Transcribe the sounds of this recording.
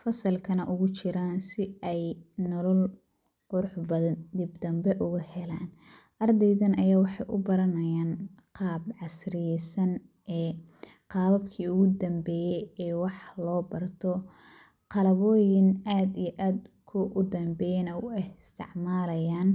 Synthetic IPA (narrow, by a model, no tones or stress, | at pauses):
fɐsɐlkʰɐnɐʔʊɣʊt͡ʃɪɾaːnsɪɛjnɔlɐl | qʊɾʊħbɐðɐd̪ɪbd̪ɐmbɛʔʊɣʊhɛlaːn | ʔɐrd̪ɛjðɐnɐjaːwɑħɑjʔʊ̰bɐɾɐnɐjaːn | qɑːbʕɑsrɪjɛsɐn | ʔɛː | qɑːβɐbkʰiːʊɣʊd̪ɐmbɛːjɛjɛːwɑħlɔːbɐrt̪ʰɔ | qɑlɐβɔːjɪnaːd̪ijɔʔaːd̪kʰʊʔʊd̪ɐmbɛːjɛnɐwʊɪst̪ʰɪ̰ʕmaːlɐjaːn